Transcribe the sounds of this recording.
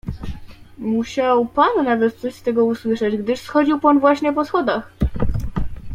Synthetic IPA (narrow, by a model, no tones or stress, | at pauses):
muɕawpanːavɛt̪̚t̪sɔɕst̪ɛɡɔuswɘʂɛd͡ʑɡd̪ɘʂsxɔd͡ʑiwpanvwaɕɲɛpɔsxɔd̪ax